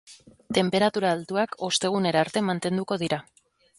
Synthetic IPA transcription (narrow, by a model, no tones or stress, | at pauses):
t̪e̞mpe̞ɾat̪uɾaːlt̪uako̞st̪e̞ɣ̞une̞ɾaɾt̪e̞mant̪e̞nd̪uko̞ð̞iɾa